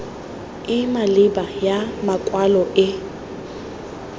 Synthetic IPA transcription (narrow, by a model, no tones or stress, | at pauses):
ɪmalɪbajamakʼwalɔʔɪ